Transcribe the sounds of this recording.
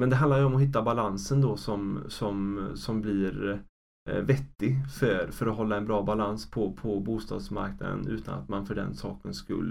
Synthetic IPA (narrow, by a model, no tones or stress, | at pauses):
mɛnd̪ɛɦand̪aɾjəɔmɔɦɪt̪ːabalansənd̪ɔsɔmsɔmsɔmblɪɾ | vɛt̪ːɪɡfœɾfœɾɔɦɔlːaɛnbɾɑːbalanspʰɔpʰɔbuːst̪ɑ̰ːd̪sma̰ɾkna̰d̪ə̰nʉ̟ːt̪ʰa̰na̰t̪manfœɖɛ̰nsɑːkənskɵ̰lː